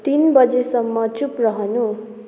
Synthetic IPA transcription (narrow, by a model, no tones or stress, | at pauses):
t̪inbʌd͡zesʌmːʌt͡suprʌɦʌnu